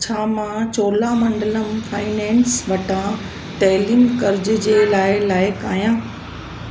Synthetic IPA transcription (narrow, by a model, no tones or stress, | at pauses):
t͡ɕʰaːmãt͡ɕoːlamɐ̃ɳɖələmfʰaːinɛ̃ːnsʋɐʈã | ʈɛːliːmkɐɾd͡ʑ̆d͡ʑeːlaːɪlaːɪkaːijãː